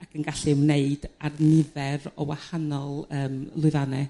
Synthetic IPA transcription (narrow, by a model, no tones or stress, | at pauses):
akʰənɡaɬɪwneɨdarnɪðɛrɔwahanɔlˠəːmlˠʊɨðanɛ